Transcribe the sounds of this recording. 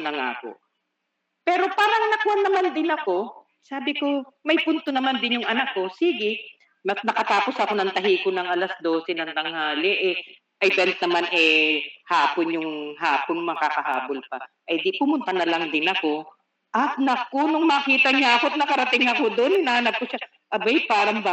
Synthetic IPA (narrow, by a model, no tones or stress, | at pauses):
nɐŋa̰ko̰ | pɛːɾo̞paːɾɐŋnɐkʊanːɐmand̪ɪnɐko̞ | saːbɪko̞mɐjpʊnt̪onɐmand̪ɪnjʊŋʔɐnakːo̞siːɡɪ | nɐnɐkɐt̪aːpo̞sɐko̞nɐŋt̪ɐɦiːkonɐŋʔɐlɐsd̪o̞ːsɛnɐŋd̪ɐŋhaːlɛʔɛ | ʔɪvɛnt̪̚nɐmanɛhaːponjʊŋhaːponmɐkakɐha̰ːbolpɐ | ʔɐjd̪ɪpʊmʊnt̪ɐnɐlɐŋd̪ɪnɐko̞ | ʔɐnɐkːonʊŋmɐːkiːt̪ɐɲaʔɐkoɐt̪̚nɐkɐɾɐt̪ɪŋɐko̞d̪oʔonɪnɐhɐnɐp̚koʃa | ʔɐbɐjpaːɾɐŋbɐ